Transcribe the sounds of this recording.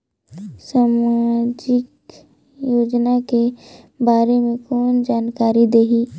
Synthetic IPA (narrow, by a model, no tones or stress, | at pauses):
saːmad͡ʒɪk | joːd͡ʒnake | baːɾemẽkɔːnd͡ʒaːnkaːɾid̪eːɦiː